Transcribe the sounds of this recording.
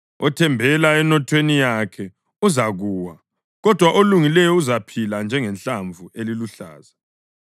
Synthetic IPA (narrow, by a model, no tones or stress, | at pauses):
ɔtʰɛmbʱɛlaɛnɔtʰwenijakʰɛ | uzaɣuːwa | ɣɔd̥ʱwaʔoluŋilɛjɔuzapʰiland͡ʒʱɛŋɛnɬaɱvʱueliluɬa̰ːza